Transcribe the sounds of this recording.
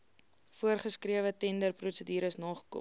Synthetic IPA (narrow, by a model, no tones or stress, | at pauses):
fuərχəskriəvətɛndərprusədiːɾəsnɑːχə̥kɔ̰